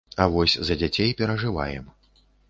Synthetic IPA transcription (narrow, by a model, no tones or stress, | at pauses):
ɐvɔsʲzɐd͡zʲat͡sʲejpʲɛɾɐʐɨva̰jɛ̰m